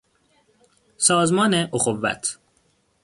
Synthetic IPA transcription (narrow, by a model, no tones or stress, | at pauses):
sɒːzmɒːneʔoxovːæ̰t̪ʰ